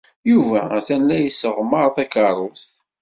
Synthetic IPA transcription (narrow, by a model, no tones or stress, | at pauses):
juvæθænːæjəsːəʁməɾˤθækəɾˤʊst̪